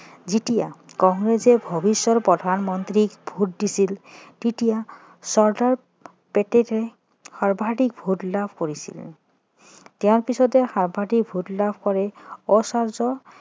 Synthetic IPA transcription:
ziʈija̰kɔŋɾesebʱɔbisːɔɾpɾɔd̪ʱanmɔnt̪ɾikbʱuʈ̚disilʈiʈija | sɔɾɖaɾ | peʈeɾe | haɾbʱaʈik̚bʱuʈlabʱkoɾisḭl | t̪eãɾpisɔd̪ehaɾbʱaʈik̚bʱuʈlabʱkɔɾeɔsaɾd͡ʒɔ

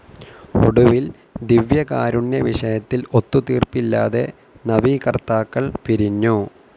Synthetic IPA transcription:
o̰ɽuʋil | d̪iʋjɐkaːɾuɳdeʋiʂɐjɐt̪ːilo̞t̪ːut̪iːrpilːa̰ːðe̞̰ | nɐʋiːkɐrt̪aːkːɐɭpiɾiɲːu

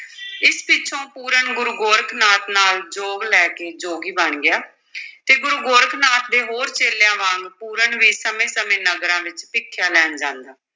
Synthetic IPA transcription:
ɪspɪt͡ʃʰõːpuːɾəɳɡʊɾuːɡoːɾkʰnaːt̪naːld͡ʒoːɡlɛːkeːd͡ʒoːɡiːbənɡɪjaː | t̪eːɡʊɾuːɡoːɾkʰnaːt̪̚d̪eːɦoːɾt͡ʃeːlejãːʋãːŋɡpuːɾəɳʋiːsəmẽːsəmẽːnəɡɾãːʋɪt͡ʃpɪkʰːjaːlɛːnd͡ʒãːnd̪aː

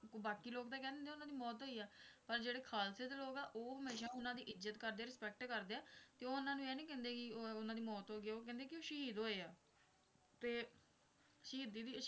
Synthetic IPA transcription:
baːkiːloːkd̪aːkɛ̃ːnẽːnd̪eːʊnãːd̪iːmɔːt̪ɦoːiːɛːpəɾd͡ʒeːɽeːkʰaːlseːd̪eːloːɡɛːʔoːɦəmeːʃãːʊnãːd̪iːʔɪzət̪kəɾd̪eːaːɾɪspɛːk̚ʈkəɾd̪eːaːt̪eːoːʊnãːnũːɛːnĩːkɛ̃ːnd̪eːkɪʊnãːd̪iːmɔːt̪ɦoːɡɪoːkɛ̃ːnd̪eːkɪoːʃəɦiːd̪ɦoːeːaː | t̪eː | ʃəɦiːd̪iːd̪iːʃ

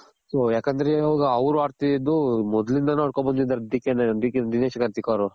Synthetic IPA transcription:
sojaːkɐnd̪ɐɾeoːɡɐɐʋɾuaːɾt̪iid̪umɔd̪lind̪ɐnuɐɾkobɐnd̪id̪ɐɾɐd̪ikːened̪iked̪ineːʃɐkaɾt̪ikaɾu

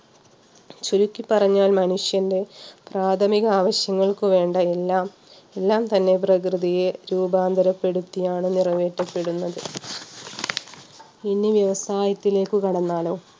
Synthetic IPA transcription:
t͡ɕuɾukʲːipːɐrɐɲːaːlmɐnuʂjɐnde̞praːt̪ʰɐmiɣɐaːʋɐɕjɐŋːɐɭkɨʋe̞ːɳɖɐelːaːm | elːaːmt̪ɐnːe̞p̬rɐkrɨðijeɾuːbaːnd̪ʱɐɾɐpːe̞ɽut̪ːijaːɳɨnirɐʋeːʈːɐpːe̞ɽunːɐðɨ | inːiʋjɐʋɐsaːjɐt̪ːile̞ːkːɨkɐɽɐnːaːlo̞ː

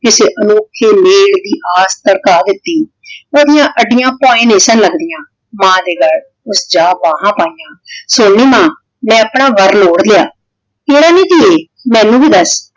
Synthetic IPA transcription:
kɪseːʔənoːkʰːeːleːɽd̪iːʔaːst̪əɽkaːd̪ɪt̪ːiː | oːd̪ɪjãːʔəɖːɪjãːpɔ̃ːẽːneːsənləɡd̪ɪjãː | mãːd̪eːɡəl | ʊsd͡ʒaːbãːɦãːpaːijãːsoːɳːiːmãː | mɛ̃ːaːpɳaːʋəɾloːɽlɪjaː | eːɽaːnĩːd͡ʒiːeː | mɛ̃ːnũːbiːd̪əs

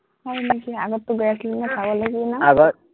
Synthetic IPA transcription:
anakiaɡɔt̪ːuɡɔjaslimatʰabɔlaɡinaaɡɔt

